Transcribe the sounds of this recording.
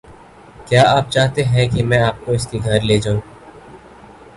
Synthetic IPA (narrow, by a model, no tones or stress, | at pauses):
kjaːʔaːp̚t͡ʃaːɦt̪eɦɛ̃kimɛ̃aːp̚koɪskiɡʱɐɾleːd͡ʒaːũːɡ